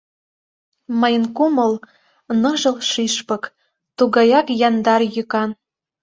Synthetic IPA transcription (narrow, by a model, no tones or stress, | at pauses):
məjənkuməl | nɤ̆ʒə̆lʃiʃpɤk | t̪uɣɑjɑkjɑnd̪ɑrjykɑn